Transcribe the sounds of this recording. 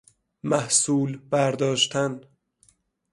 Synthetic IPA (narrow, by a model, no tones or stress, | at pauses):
mæhsuːlbæɾd̪ɒːʃt̪ʰæn